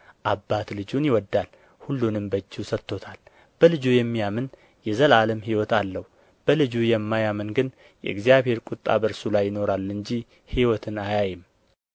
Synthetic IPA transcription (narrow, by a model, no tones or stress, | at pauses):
ʔabːat̪lɨd͡ʒunjɪwɔd̪ːal | hulːunɨmbəd͡ʒːusət̪ːo̞t̪ʰal | b̥əlɨd͡ʒujɛmːijamɨn | jɛzəlaləmɦiwɔt̪alːəhu | b̥əlɨd͡ʒujɛmːajamɨnɡɨn | jɛ̰ʔɨɡzijaβhe̞ɾkʼut̪ʼːa̰bəɾsulajːɪno̞ɾalːɨɲd͡ʒi | hiwɔt̪ʰɨnajajɪm